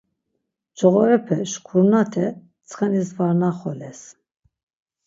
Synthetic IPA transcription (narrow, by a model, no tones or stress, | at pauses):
d͡ʒɔɣɔɾɛpʰɛʃkʰuɾnat̪ʰɛ | t͡sʰχɛnisvaɾnaχɔlɛs